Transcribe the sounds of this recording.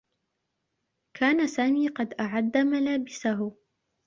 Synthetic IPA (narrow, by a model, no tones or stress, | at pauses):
kʰaːnasaːmiːqɑd̪ʔaʕad̪ːamalaːbɪsaɦʊ